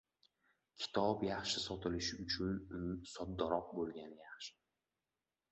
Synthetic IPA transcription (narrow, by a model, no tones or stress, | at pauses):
kʲʰɪ̥t̪ʰɒpjɑχʃɪsɒt̪ʰɪlɪʃɪʊt͡ʃʰʊnsɒd̪ːɒɾɒq̚bolˠɡʲanɪjaχʃɪ̥